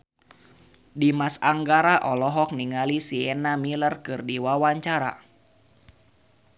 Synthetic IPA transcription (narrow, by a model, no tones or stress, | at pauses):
dimasaŋɡaɾaʔɔlɔɦɔk̚niŋalisiɛnamilərkɨrdiwawaɲt͡ʃaɾa̰